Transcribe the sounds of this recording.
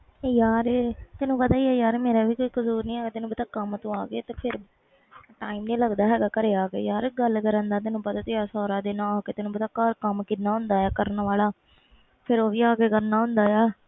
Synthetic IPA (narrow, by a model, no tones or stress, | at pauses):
jaːɾt̪ɛːnũːpət̪aːiːɛːjaːɾmeːɾaːʋiːkoːiːkəzuːɾnĩːɛːɡaːt̪ɪnũːpət̪aːkəmt̪õːaːɡeːt̪eːpʰɪɾ | ʈaːiːmnĩːləɡd̪aːɦɛːɡaːkəɾeːaːkḛːjaːɾɡəlkəɾə̃nd̪aːt̪ɛːnũːpət̪aːt̪ːjaːsɔːɾaːd̪eːnãːoːkeːt̪ɛːnũːpət̪aːkəɾkəmkɪnaːɦʊ̃nd̪aːjaːkəɾnʋaːlaː | pʰɪɾoːʋiːaːkeːkəɾnaːɦʊ̃nd̪aːjaː